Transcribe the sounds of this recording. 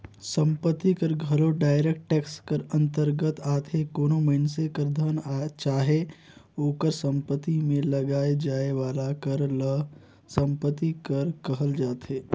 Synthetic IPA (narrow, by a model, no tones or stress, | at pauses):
sə̃mpət̪ːikəɾɡʱəɾoɖaːɪɾeːk̚ʈʈɛːkskəɾə̃nt̪əɾɡət̪aːt̪ʰekoːnoməɪnsekəɾd̪ʱənat͡ʃaːɦe | oːkəɾsə̃mpət̪ːimẽlɐɡaːed͡ʒaːeʋaːlakəɾ | sə̃mpət̪ːikəɾkəɦəld͡ʒaːt̪eː